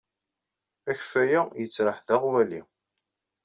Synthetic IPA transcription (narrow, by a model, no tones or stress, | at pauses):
æçfæjæjət͡sːɾəħðæʁwælḭ